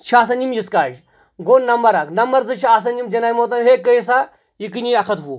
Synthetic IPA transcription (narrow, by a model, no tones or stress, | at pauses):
t͡ʃʰaːs̬ɐnimjiskaːʃ | ɡoːnnɐmbɐɾaknɐmbɐɾd͡zɨt͡ʃʰias̬ɐnimd͡ʒɐnaːjmot̪̬ɐnɦeːkːəjis̬a | jik̬ɨnʲiɐkʰɐt̪ɦu